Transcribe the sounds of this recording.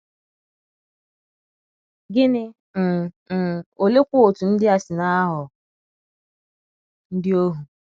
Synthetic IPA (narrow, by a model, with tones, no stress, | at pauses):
ɡɪ˦nɪ˦ | m̩˨ | o˨le˦kʷʊ˦o˨tu˨n̩˦dɪ˦a˨sɪ˨na˦a˦ɦʊ˨ | n̩˦dɪ˦o˦ɦu˨